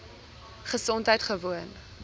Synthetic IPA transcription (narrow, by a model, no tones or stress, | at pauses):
χəsɔntɦəjtχəvuən